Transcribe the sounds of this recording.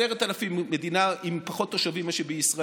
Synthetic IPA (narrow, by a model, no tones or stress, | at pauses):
eʁet̪alafimːed̪inaimpaχo̞t̪ːoʃavimaʃebeisʁa